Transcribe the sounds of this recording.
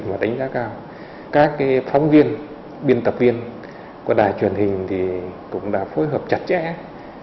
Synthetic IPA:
maː˨˩ɗa˨˦jŋ̟zaː˨˦˥kaː˧w | kaː˦˥kːaː˨˦jfɔ˨˦wŋ͡mvi˧ən | ɓi˧ənt̪ə˨˩p̚vi˧ən | kɔ˨˧˩ɗaː˨˩jt͡ɕwi˨˩ənhï˨˩ŋ̟t̪ʰi˨˩kʊ̰˧˥ŋ͡mɗa̰ː˧˥fo˨˦jɦəː˨˩p̚t͡ɕa˨˩t̚t͡ɕɛ̰˧˥

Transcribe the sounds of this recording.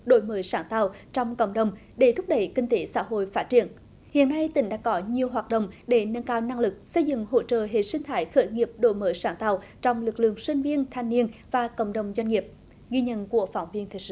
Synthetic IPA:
ɗo̰˧˥˦jməː˨˦jsaː˨˩ŋt̪aː˨˩wt͡ɕɔ˧wŋ͡mkə̰˧˨wŋ͡mɗə˨˩wŋ͡m | ɗe˧˩t̪ʰʊ˦˥p̚ɗə˧˩jkï˧ŋ̟t̪e˨˦sa̰ː˧˥ɦo̰˧˨jfaː˦˥t̚t͡ɕḭ˧˨ən | hḭ˧˨ənːa˧jt̪ï˨˩ŋ̟ɗa̰ː˧˥kɔ˨˦ɲi˨˩əwɦwaː˨˩t̚ɗə̰˧˨wŋ͡mɗe˧˩nə˧nkaː˧wna˧ŋlɨ˨˩k̚sə˧jzɨ̰˧˨ŋɦo̰˧˥t͡ɕə̰ː˧˨ɦḛ˨˩t̚sï˧ŋ̟t̪ʰaː˨˦jxəː˧˦jŋi˨˩əp̚ɗo̰˧˩jməː˨˦jsaː˧˩ŋt̪aː˨˩wt͡ɕɔ˧wŋ͡mlɨ˨˩k̚lɨ̰˧˨əŋswi˧ŋ̟vi˧ənt̪ʰaː˧jŋni˧ənvaː˨˩kə̰˧˨wŋ͡mɗə˨˩wŋ͡mzwa˧jŋ̟ŋi˨˩əp̚ | ɣi˧ɲə̰˧˨nku˧˩əfa˨˦wŋ͡mvi˧ənt̪ʰi˨˩j̚sɨ̰˧˦

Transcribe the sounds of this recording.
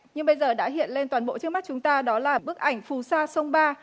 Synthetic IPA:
ɲɨ˧ŋɓə˧jzəː˨˩ɗa̰ː˧˥ɦḭ˧˨ənle˧nt̪waː˨˩nɓo̰˧˨t͡ɕɨ˦˥kma˦˥t̚t͡ɕʊ˨˦ŋ͡mt̪aː˧ɗɔ˨˦laː˨˩ɓɨ˦˥ək̚ʔa˧˩jŋ̟fu˨˩saː˧sə˧wŋ͡mɓaː˧

